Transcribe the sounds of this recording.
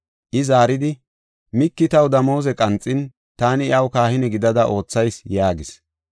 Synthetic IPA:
ʔɪzaːɾɪd̪ɪ | mɪkːɪt̪ɐwd̪ɐmoːzɛkʼɐnt͡sʼːɪn | t̪aːnɪɪɐwkaːhɪnɛɡɪd̪ɐd̪ɐʔo̞ːt͡sːɐjsjaːɡɪs

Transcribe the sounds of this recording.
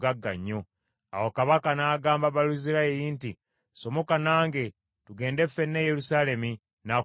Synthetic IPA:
ɡaɡːa̰ɲːo̞ | a̰wokaβakanaːɡaːmbaβaluziɾaeɾinti | so̞mo̞kanaːŋɡe̞ | tuɡe̞ːnde̞fːenːejeɾusaːle̞mi | na

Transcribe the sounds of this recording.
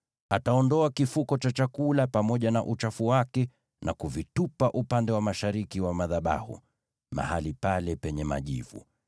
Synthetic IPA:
ataɔndɔakifukɔt͡ʃat͡ʃakulapamɔʄanaʔut͡ʃafuwakɛ | nʔakuvitupaʔupandɛwamaʃaɾikiwamaðaɓa̰hṵ | ma̰halipalɛpɛɲɛma̰ʄḭvṵ

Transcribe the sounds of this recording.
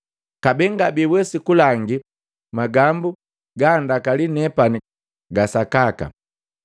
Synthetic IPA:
kabɛŋɡabiwɛsikulaŋɡi | maɡambu | ɡaːndakalinɛpani | ɡasakaka̰

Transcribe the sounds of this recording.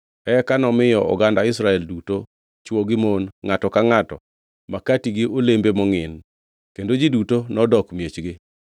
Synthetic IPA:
ɛkanɔmɪjɔʔɔ̰ɡandaɪs̬ɾaɛlduto | t͡ʃwɔɡɪmonŋatɔkaŋatɔ | makatiɡɪolembemɔŋɪn | kendod͡ʒidutonɔdɔkmjet͡ʃɡɪ

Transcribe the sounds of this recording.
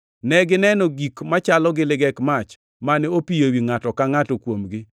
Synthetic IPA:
nɛɡɪnɛnɔɡikmat͡ʃalɔɡɪlɪɡɛkmat͡ʃ | maneopijewiŋatɔkaŋatokwomɡɪ

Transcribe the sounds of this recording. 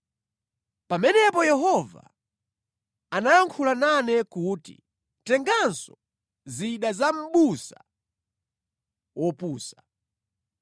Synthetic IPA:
pamɛnɛpɔjɛɦɔva̰ | anajaŋkʰulananɛkuːtḭ | tɛŋɡansɔ | ziɗazam̩ɓusa | wʔɔpuːsḁ

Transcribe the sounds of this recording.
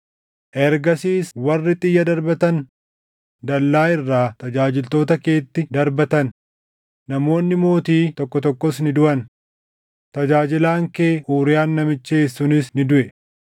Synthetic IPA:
ʔɛɾɡɐsiːswɐrːɪt̪ʼɪjːɐd̪ɐɾbɐt̪ɐn | d̪ɐlːaːɪrːaːt̪ɐd͡ʒaːd͡ʒɪlt̪o̞ːt̪ɐke̞ːt̪ːɪd̪ɐɾbɐt̪ɐnː | ɐmo̞ːnːɪmo̞ːt̪iːt̪ɔkːɔt̪ɔkːɔsnɪd̪ʊʔɐn | t̪ɐd͡ʒaːd͡ʒɪlaːŋke̞ːʔuːɾɪjaːnːɐmɪt͡ʃːeːsːʊnɪsnɪd̪ʊʔɛ

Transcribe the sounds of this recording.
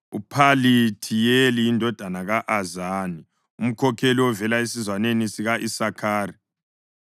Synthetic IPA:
upʰalitʰijelijindʱɔd̥ʱanaɣaʔazaːni | um̩kʰɔkʰeliwɔvɛlaesizwanenisiɣaʔisakʰaːri

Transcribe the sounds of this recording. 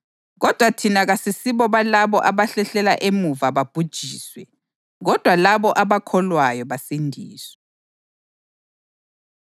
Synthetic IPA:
ɣɔd̥ʱwatʰinaɣasisiβɔβalaβɔʔaβaɬɛɬɛla̰ʔemuvaβab̥ʱud̥ʒ̥ʱiːswɛ | ɣɔd̥ʱwalaβɔʔaβakʰɔlwajɔβasindʱiːswɛ

